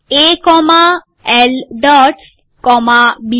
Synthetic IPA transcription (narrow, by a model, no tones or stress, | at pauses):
ekɔma | elɖɔʈ | kɔmabi